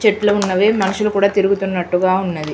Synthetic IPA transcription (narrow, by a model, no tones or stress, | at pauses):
t͡ʃeʈlɐunːɐʋe̞ːmɐnɐʃulɐkuːɽaːt̪iɾuɡut̪unːɐʈːuɡaːunːɐd̪i